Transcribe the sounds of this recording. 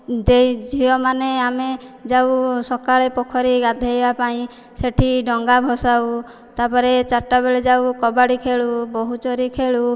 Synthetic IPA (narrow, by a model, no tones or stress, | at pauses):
d̪ejd͡ʒʱiɔmaneamed͡ʒawsɔkaɭepɔkʰɔɾiɡad̪ʱaebapaĩ | seʈʰiɖɔŋɡabʱɔsaw | t̪apɔɾet͡ʃaʈːabeɭed͡ʒawkɔbaɽikʰeɭubɔɦut͡ʃɔɾikʰeɭu